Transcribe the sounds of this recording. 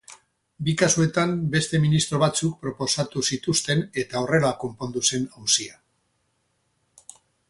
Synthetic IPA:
bikasue̞t̪ambe̞st̪e̞minist̪ɾo̞βat͡suk̚pɾo̞po̞sat̪usit̪ust̪e̞ne̞t̪ao̞re̞lako̞mpo̞nd̪use̞nawsia

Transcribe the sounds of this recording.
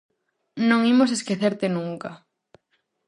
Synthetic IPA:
nõŋimos̬eskeθeɾt̪ɪnuŋka

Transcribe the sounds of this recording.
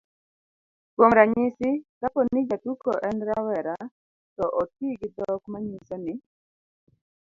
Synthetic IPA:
kwomɾaɲɪsɪkapɔnid͡ʒatukɔʔɛnɾawɛɾa | tɔʔɔt̚iɡɪd̪ɔkmaɲisɛnɪ

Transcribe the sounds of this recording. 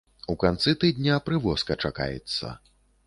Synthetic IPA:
ukant̪sɨt̪ɨd̪ʲnʲɐpɾɨvɔskɐt͡ʂaka̰jɛ̰t̪sːɐ̰

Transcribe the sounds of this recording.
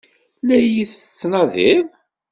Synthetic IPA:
læjiθθə̥t͡sːnɑðiv

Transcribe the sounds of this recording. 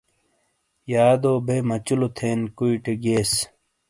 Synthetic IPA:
jaːd̪oːbʱeːmɐt͡ɕulot̪ʰeːnkuiʈeɡeːs

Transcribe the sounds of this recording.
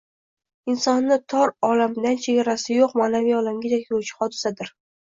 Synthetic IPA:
ɪnsɒnːɪt̪ʰɒɾɒlamd̪ant͡ʃʰe̞ɡʲaɾasɪjoqmaːnavijɒlamɡʲej̪akʲʰɪʊt͡ʃʰɪ̥χɒd̪ɪsad̪ɪɾ

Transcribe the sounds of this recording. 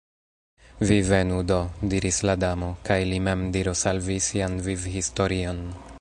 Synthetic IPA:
vive̞nudodiɾisladamo̞kajlimemdiɾosalvisianvivhistoɾion

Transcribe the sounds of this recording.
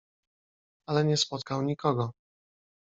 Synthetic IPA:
alɛɲɛspɔt̪̚kawɲikʰɔɡɔ

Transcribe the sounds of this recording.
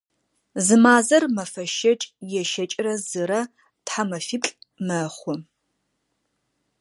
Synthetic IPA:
zɨmaːzɐrmɐfɐʃɐt͡ʃʼjɛʃɐt͡ʃʼrɐzɨɾɐ | tħamɐfipɬʼmɐχʷɔ

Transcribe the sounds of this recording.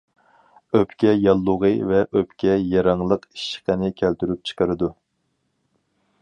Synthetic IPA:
øpkʲɛjɑlˠːʊʁɨvɛʔøpkʲɛjɑɾɑŋlˠəqi̥ʃqənɪkʲʰælt̪yɾyp̚t͡ʃʰə̥qʰəɾɨd̪u

